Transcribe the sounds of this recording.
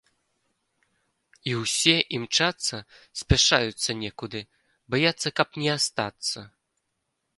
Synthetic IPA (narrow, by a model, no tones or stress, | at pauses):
iwsʲɛʔimt͡ʂat̪sɐsʲpʲaʂajut̪sːɐnʲɛkud̪ɨ | bajat̪sːɐkɐpnʲɛast̪at̪sːɐ